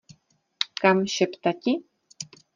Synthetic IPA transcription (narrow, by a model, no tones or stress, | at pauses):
kamʃɪpt̪aci